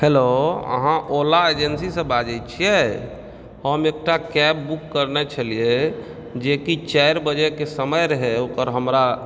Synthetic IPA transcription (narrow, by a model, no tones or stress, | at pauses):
heloə̰ɦãʔolaed͡ʒənsisə̃bad͡ʒɛt͡ʃʰijɛ | həmek̚ʈakɛbbukːəɾnɛt͡ʃʰəlije | d͡ʒekit͡ʃɛjɾbəd͡ʒɛkesəməjɾəɦɛokəɾɦəmɾa